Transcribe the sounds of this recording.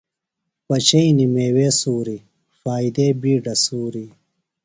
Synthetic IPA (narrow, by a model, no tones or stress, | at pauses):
pɐt͡ɕɐinimeːweːsuːɾi | faːid̪eːbiːɖɐsuːɾi